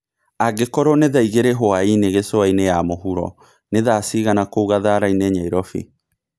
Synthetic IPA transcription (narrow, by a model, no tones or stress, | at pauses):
aɡekɔɾɔneðaiɣeɾeɦoaineɣesoainejamoɦuɾɔ̰ | neðasiːɣanakouɣaðaɾaineɲaiɾɔfḭ